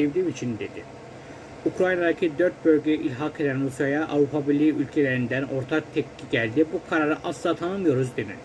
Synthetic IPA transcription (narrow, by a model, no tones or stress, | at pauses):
evd̪iːmit͡ʃʰind̪e̞d̪i | ukɾajnad̪acʰid̪øɾt̪̚bø̞lʲɟeɛʔilʲɦakʰe̞d̪ænɾusjajaʔa̰vɾupʰabiɾlʲiːʔylʲcʰelʲeɾind̪æno̞ɾt̪ʰak̚t̪ʰɛkʰːiɟælʲd̪ibukʰaɾaɾɯʔaslˠat̪ʰanɯmɯjo̞ɾuzd̪enḭ